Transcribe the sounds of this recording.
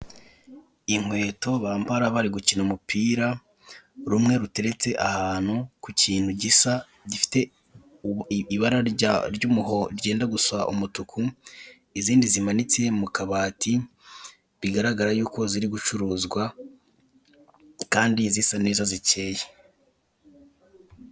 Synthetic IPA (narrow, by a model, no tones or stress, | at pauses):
iŋ̥hwe̞ːto̞βaːmpaɾaβaɾiɡucinomupiːɾa | ɾumŋe̞ɾute̞ɾe̞t͡se̞ʔahaːn̥hukuciːn̥huɟisa | ɟifi̥te̞ | iβaɾaɾaɾɟuːmuɦo̞ɾɟe̞ːndaɡusa̰ʔṵmutukʰu | iziːndizimanit͡se̞mukaβaːtʰi | βiɡaɾaɡaɾajuːko̞ziɾiɡut͡ʃuɾuːzɡwa | kaːndizisaneːzazice̞ːje